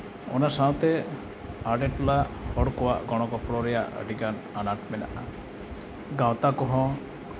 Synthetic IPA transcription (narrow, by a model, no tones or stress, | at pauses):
ɔ̰nasaw̃t̪e | aɖeʈulahɔɽkɔwa̰ʔɡɔɽ̃ɔkɔpɽɔɾɛjaə̰ɖikan | anaʈmɛna̰ʔa | ɡãwt̪akɔɦɔ̃